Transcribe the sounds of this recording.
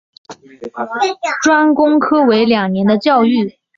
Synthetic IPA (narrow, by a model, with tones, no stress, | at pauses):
ʈ͡ʂwa˥nkʊ˥ŋkʰɤ˥we˧˥ɪljɑ˨˩ŋnjɛ˧˥nd̪ə˧t͡ɕjɑ˥˧ʊy˥˩